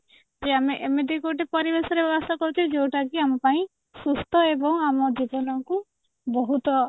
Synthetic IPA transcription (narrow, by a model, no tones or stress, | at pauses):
d͡ʒeameʔemed̪ikoʈepɔɾibesɔɾebɔbɔst̪ʰakɔɾut͡ʃʰid͡ʒewʈakiamapaĩ | sust̪ʰɔebɔŋamɔd͡ʒibɔnɔŋku | bɔɦut̪ɔ